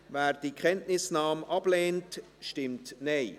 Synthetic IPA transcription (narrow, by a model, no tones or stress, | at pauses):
væːɾdikʰχɛntnɪsnɑːmʔɑb̥leːnt | ʃtɪmtneɪ